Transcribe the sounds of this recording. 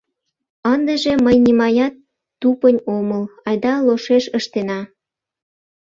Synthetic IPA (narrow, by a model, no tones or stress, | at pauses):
ɑnd̪əʒĕməjnʲimɑjɑt̪ː | upənʲoməlɑjd̪ɑloʃeʃəʃt̪enɑ